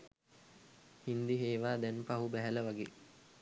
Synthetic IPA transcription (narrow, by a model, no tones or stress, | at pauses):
hind̪iɦeːʋaːd̪ɛnpaɦubæɦæləʋaɡḛ